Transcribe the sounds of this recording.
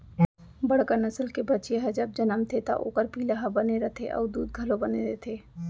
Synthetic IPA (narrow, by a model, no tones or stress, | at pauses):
bɐɽkanɐsəlkebɐt͡ʃeɦɛd͡ʒɐb̚d͡ʒɐnəmt̪ʰet̪a̰ʔo̰ːkəɾpiːlaɦɐbɐneɾɐt̪ʰeʔɔ̰ːɾd̪uːd̪̚ɡʱəlobɐneɾet̪ʰeː